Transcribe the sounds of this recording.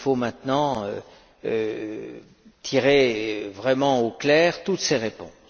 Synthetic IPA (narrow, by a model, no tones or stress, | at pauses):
fomɛ̃t̪nɑ̃ø | ø | t̪ʰiʁevʁɛmɑ̃oklɛːʁt̪ut̪seʁepɔ̰̃s